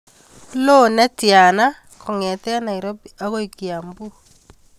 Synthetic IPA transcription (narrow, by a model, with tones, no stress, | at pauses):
lo˦nɛ˦tja˨na˦ | ko˨ŋɛ˨tɛ˦na˨i˨ɾo˦bia˦ɣo˦iki˨a˨mbu˦